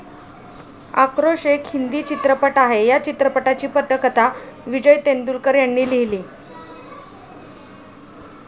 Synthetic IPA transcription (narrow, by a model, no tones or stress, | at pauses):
a̰kɾoʂekʰhind̪iːt͡ɕit̪ɾəpəʈaɦejat͡ɕit̪ɾəpəʈat͡ɕiːpət̪əkət̪aʋid͡ʑəjt̪end̪ulkəɾjanːiːliɦliː